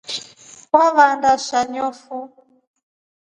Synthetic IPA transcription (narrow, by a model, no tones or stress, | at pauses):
waβandaʃaɲɔfu